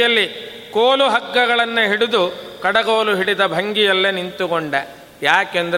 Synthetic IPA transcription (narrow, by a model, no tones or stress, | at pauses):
ɐlːi | koːluɦɐkːɐɣɐɭɐnːɐɦiɽud̪ukɐɽɐɡoːluɦiɽid̪ɐbʱɐŋɡijɐlːenint̪ukoɳɖe | jaːkend̪ɐ